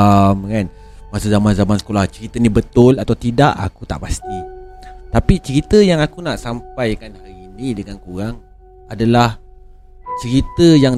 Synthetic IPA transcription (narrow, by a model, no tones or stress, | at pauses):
mkan | masuzamanzamansə̥kolaht͡ʃəɾit̪ənĩbət̪ʊlat̪awt̪idaʔa̰kut̪a̰ʔpast̪it̪apit͡ʃəɾit̪əjaŋakunaʔsamp̚ajkanhaɾinĩdəŋankuɾaŋ | adalah | t͡ʃəɾit̪əjaŋ